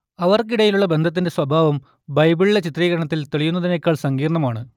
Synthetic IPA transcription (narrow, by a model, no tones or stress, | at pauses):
ɐʋɐrkiɽɐjiluɭːɐbe̞nd̪ʱɐt̪̬ːinde̞swɐbʱaːʋɐm | bɐjbiɭiɭːet͡ɕit̪riːɣɐɾɐɳɐt̪̬ːilt̪eɭijunːɐðinekːaːɭsɐŋɡiːrɐɳɐmaːɳɨ